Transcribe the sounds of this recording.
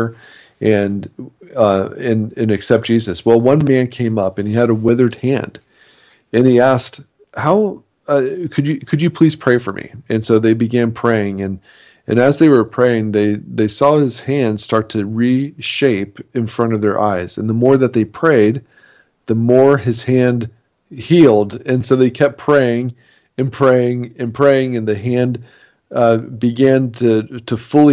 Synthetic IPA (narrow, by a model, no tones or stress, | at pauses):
ʔɨ̃n | ɨ̃nɨ̃nɨksɛp̚d̥ʒ̥izɨswɛlˠwʌ̃nmæ̃nkʰẽɪ̃mʌpɨ̃niɨɾəwɪðə˞d̚hæ̰̃nd̥ | ɨ̃niæskt | haʊ | kʰɨd͡ʒɨkʰɨd͡ʒɨpʰl̥iz̥pʰɹ̥eɪfə˞mḭɨ̃nsoʊðeɪbɨɡæ̃npʰɹ̥eɪɪ̃ŋɨ̃n | ʔɨ̰̃nɨzðeɪwə˞pʰɹ̥eɪɪ̃ŋðeɪðeɪsɔɨz̥hæ̃nd̥stɑɹtʰɨɹiʃeɪpɨ̃nfɹʌ̃ɾ̃ʌvðə̰˞ʔa̰ɪz̥ɨ̰̃nðəmɔɹðɨt̪̚ðeɪpʰɹ̥eɪd̪̚ | ðəmɔɹɨz̥hæ̃nd | hilˠdɨ̃nsoʊðeɪkʰɛp̚pʰɹ̥eɪɪ̃ŋ | ɨ̃npʰɹ̥eɪɪ̃ŋɨ̃npʰɹ̥eɪɪ̃ŋɨ̃nðɨɦæ̃n | bɨɡæ̃ntʰɨtʰɨfʊlˠi